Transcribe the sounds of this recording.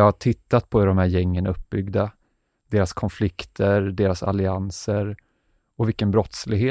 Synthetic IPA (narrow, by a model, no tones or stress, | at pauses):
ɑhaʈʰɪt̪ːat̪pʰɔɪd̪ɔmhæːɾjɛŋːənaɵpːbʏɡd̪a | d̪̥eːɾaskʰɔnflɪkt̪ʰəɾd̪eːɾasa̰lɪansəɾ | ɔvɪlkːənbɾɔt̪slɪɡɦeː